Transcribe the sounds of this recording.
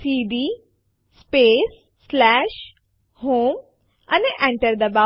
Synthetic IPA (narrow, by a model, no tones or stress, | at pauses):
siːɖi | speːsː | lɛːʃ | ɦoːm | ɐneʔẽɳʈəɾd̪ɐba